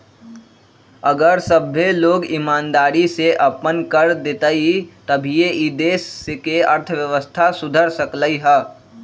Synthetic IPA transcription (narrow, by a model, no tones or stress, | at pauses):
ɐɡəɾsəbʱːeloːɡɪmaːnd̪aːɾiseʔɐpənkəɾd̪et̪əit̪ɐbʱijeʔid̪eːsekeɐɾt̪ʰʋjəʋəst̪ʰasʊd̪ʱəɾsəkləiɦɛː